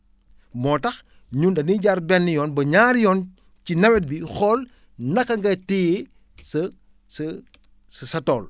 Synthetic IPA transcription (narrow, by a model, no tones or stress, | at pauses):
mɔːtɐx | ɲundɐniɟaɾbɛnːijɔnbɐɲaːɾjɔn | cinɐwɛt̚bixɔl | nɐkːɐŋɡɐti | sɐ | s | ssɐtɔːl